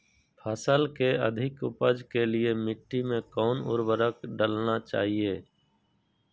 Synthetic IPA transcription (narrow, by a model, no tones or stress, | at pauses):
pʰəsəlkeə̰d̪ʱɪkʊ̰pəd͡ʒkeliemɪʈːimẽkɔːnʊ̰ɾbəɾəkɖəlnat͡ʃa̰ːɦieː